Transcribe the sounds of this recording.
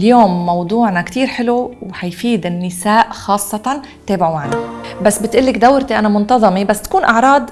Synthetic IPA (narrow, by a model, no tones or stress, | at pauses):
ljoːmːɑwd̪ˤuːʕnakt̪iːɾħɪluwħajfiːd̪ɪnːɪsaːʔxɑːsˤːɑt̪ɑ | t̪ːeːbɪʕumaʕnabasːbɪt̪ʔɪlːɪkd̪awɾt̪iʔanamʊnt̪ɑðˤɑmibasːt̪ḁkuːnʔɑʕɾˤɑːd̪